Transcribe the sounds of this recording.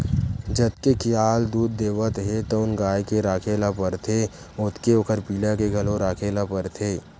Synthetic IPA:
d͡ʒət̪̚kekjaːld̪uːd̪ːeːʋət̪ɦet̪oʊnɡaːjkeɾaːkʰelapəɾt̪ʰe | ʊt̪keokʰəɾpiːlakeɡʱɐlõɾaːkʰeːlapəɾt̪ʰeː

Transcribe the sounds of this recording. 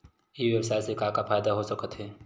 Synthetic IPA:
jeːʋjəwsaːjsekaːkafaːjd̪aɦosəkət̪ɦɛː

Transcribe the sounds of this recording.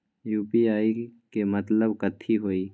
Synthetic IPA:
juːpiaːikemɐt̪ləbkət̪ʰːiɦoːiː

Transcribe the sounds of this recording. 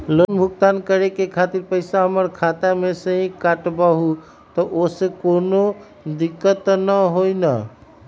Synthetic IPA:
lonbʱuk̚t̪ankəɾekekʰat̪iɾpəɪsaɦəməɾkʰat̪amesə̃ɦĩkaʈbaɦu | t̪ɔʔosẽkono | d̪ikːət̪nəɦojnə̰

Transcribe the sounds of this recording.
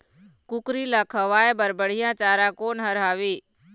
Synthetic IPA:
kʊkɾiːlaːkʰəʋaːebəɾbəɽ̤ijãːt͡ʃaːɾãːkoːnɦəɾɦaːʋiː

